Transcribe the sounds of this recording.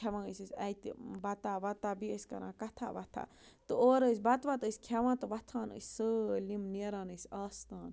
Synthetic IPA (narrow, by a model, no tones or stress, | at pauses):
kʰeʋãːnəsʲɨsʲɐjt̪ibɐt̪aːʋɐt̪abiəsʲkɐ̰ɾã̰ːkɐt̪ʰa̰ːʋɐt̪ʰa̰ | t̪ɨoːɾəsʲbɐt̪ʋat̪əsʲkʲʰeʋãːnt̪ɨʋɐt̪ʰaːnə̰sʲsɨlimneɾaːnəsʲaːst̪aːn